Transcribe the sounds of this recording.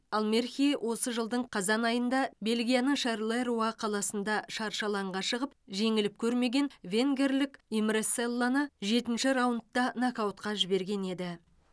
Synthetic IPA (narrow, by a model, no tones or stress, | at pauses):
ɑlˠmerxʲiwʔo̞səʒəlˠd̪əɴqʰɑzɑnɑjənd̪ɑbe̞lɡʲijanəŋʃɑɾlˠeɾuɑqʰɑlˠɑsənd̪ɑʃɑɾʃɑlˠɑɴʁɑʃəʁəp̚ʒe̞ŋɪlɪp̚kʲʰɵɾme̞ɡʲe̞nvʲeŋɡʲe̞rlɪkimɾeselˠːanəʒe̞t̪ɪnʃɪɾawənt̪ːɑnakawt̪qɑʒɪbe̞ɾɡʲe̞ne̞d̪ɪ